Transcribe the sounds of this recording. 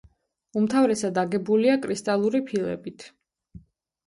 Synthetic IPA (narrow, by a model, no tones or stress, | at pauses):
umt̪ʰavɾɛsad̪aɡɛbuliakʼɾist̪ʼalˠuɾipʰilˠɛ̰bit̪ʰ